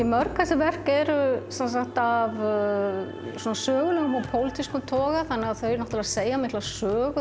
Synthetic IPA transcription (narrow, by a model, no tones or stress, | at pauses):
imœɾkʰːɛsɪvɛr̥kɛɾʏsans̬axt̪av | sɔːnasœːɣʏlʏɣmɔpʰowlɪt̪ʰiskʏmt̪ʰɔːɣaθanːɛɣaðθœɥjɾnɔht̪ɪlaɾseːjamɪht̪lasœːɣʏ